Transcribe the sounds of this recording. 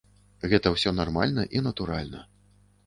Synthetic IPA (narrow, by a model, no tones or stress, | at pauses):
ɣɛt̪ɐwsʲɔnarma̰lʲnɐʔinɐt̪uɾalʲnɐ̰